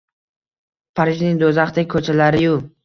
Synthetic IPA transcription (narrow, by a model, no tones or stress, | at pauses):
pʰaɾɪʒnɪŋd̪ozaχt̪ʰakʰɵt͡ʃʰalaɾɪjʊ